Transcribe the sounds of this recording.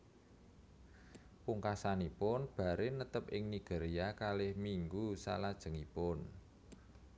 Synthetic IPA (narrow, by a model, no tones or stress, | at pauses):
puŋkasanipʊnb̥a̤ɾɪnət̪əp̚ɪŋniɡ̥e̤ɾiakalɪhmiŋɡusa̰lad̥ʒ̥ə̤ŋipʊn